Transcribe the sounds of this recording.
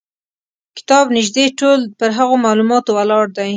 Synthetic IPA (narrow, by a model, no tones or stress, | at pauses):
kɪ̥t̪ɑbnɪʒd̪eʈolpəɾɦaɣomɑlumɑt̪owalɑɽd̪aj